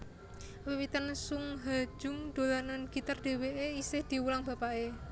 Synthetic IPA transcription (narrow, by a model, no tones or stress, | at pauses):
wiwit̪ənsʊŋɦḁd͡ʒʊŋd̪̥o̤lananɡ̥i̤t̪ərd̪̥e̤weʔeisɪhd̪̥i̤wulaŋb̥a̤pae